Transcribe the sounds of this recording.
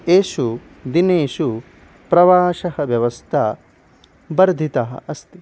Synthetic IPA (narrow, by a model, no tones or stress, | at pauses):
eːʃu | d̪ineːʃu | pɾɐʋaːʃɐɦɐʋjɐʋɐst̪ʰɐ | bɐɾd̪ʱit̪ɐɦɐ̰ʔɐst̪i